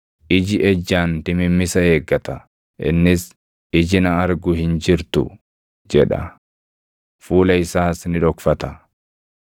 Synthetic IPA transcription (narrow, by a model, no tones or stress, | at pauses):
ʔɪd͡ʒɪʔɛd͡ʒːaːnt̪ɪmɪmːɪsɐheːɡːɐt̪ɐ | ʔɪ̰nːɪs | ɪd͡ʒɪnɐɐɾɡʊhɪnd͡ʒɪɾt̪ʊ̰ | d͡ʒɛᶑɐ̰ | fuːlɐɪsaːsnɪᶑɔkfɐt̪ɐ